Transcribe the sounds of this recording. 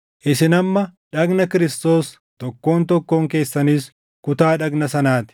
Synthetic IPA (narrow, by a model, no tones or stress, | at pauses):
ʔɪsɪnɐmːɐᶑɐɡnɐkɪɾɪst̪o̞ːs | t̪ɔkːo̞ːnt̪ɔkːo̞ːŋke̞ːsːɐniːs | kʊt̪aːᶑɐɡnɐsɐnaːt̪ɪ̥